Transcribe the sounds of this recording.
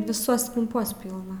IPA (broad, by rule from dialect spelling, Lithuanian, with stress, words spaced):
ʋʲɪˈsuɔs kɐmˈpuɔs ˈpʲiːlˠnɐ